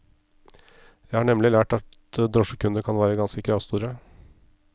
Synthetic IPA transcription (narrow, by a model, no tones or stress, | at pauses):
jæɪhɑːɳɛmlɪlæːʈɑt̪ | d̪ɾɔʂəkʰʉnd̪əkʰɑnʋæːɾəɡɑnskəkʰɾɑːʋst̪uːɾə